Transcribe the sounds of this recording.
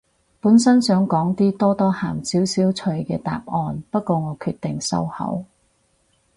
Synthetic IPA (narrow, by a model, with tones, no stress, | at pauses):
puː˨˥nsɐ˥nsœː˨˥ŋkɔː˨˥ŋt̪iː˥t̪ɔː˥t̪ɔː˥haː˨˩msiː˨˥wsiː˨˥wt͡ʃʰɵ˨˧ɥkɛː˧t̪a̰ː˧˨p̚ʔɔː˧npɐ˥t̚kʷɔː˧ŋɔː˨˧kʰyː˧t̚t̪ɪ˨ŋsɐ̰˥whɐ̰˨˥w